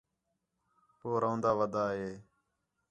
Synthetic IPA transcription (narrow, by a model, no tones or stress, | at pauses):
poːɾõːnd̪aːʋəd̪aːɦeː